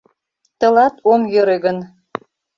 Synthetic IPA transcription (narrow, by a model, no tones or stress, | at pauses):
t̪ɤ̆lɑt̪omjøɾeɣən